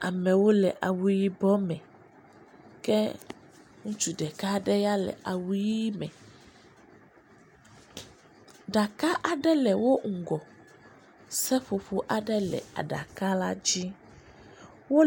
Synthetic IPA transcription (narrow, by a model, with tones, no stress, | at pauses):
a˨mɛ̃˨wo˦lɛ˨ʔa˨wu˦ji˦bɔ˦mɛ̃˨ | kɛ˦ | ŋũ˦t͡ʃu˨ɖɛ˨ka˦ɖɛ˦ja˦lɛ̰˨ʔa˨wu˦ji˦i˦mɛ̰̃˨ | ɖa˨ka˦ʔa˨ɖɛ˦lɛ˨wo˦ŋ̩˨ɡɔ˨ | sɛ˦ɸo˨ɸo˦ʔa˨ɖɛ˦lɛ̰˨a̰˨ɖa̰˨ka˦la˦d͡ʑi˦ | wo˦